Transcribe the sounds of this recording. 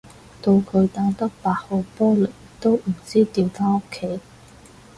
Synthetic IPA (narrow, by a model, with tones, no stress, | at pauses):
t̪o˧wkʰɵ˨˧ɥt̪aː˧˥ŋt̪ɐ˥k̚paː˨˧k̚ho˨˧wpɔː˥lɵ˨˩j | t̪o˥wm̩˨˩t͡siː˥t̪iː˧wfʰaː˥o˥kʰːe˥j